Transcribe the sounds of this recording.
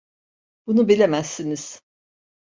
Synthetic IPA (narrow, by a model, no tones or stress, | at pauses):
b̥unubilʲemæsːiniz̥